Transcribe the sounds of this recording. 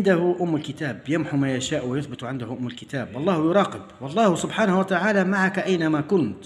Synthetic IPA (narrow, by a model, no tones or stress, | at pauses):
nd̪ahʊʔʊmːʊlkɪt̪aːbjamħumajaʃaːʔwɪjʊθbɪt̪ʕɪnd̪ʊhʊʔʊmːʊlkɪt̪aːbʔɑlˤːɑːhjʊɾˤɑːqɪbwɑlˤːɑːhʊsʊbħaːnahʊwat̪aʕaːlamaʕakʔajnamakʊnt̪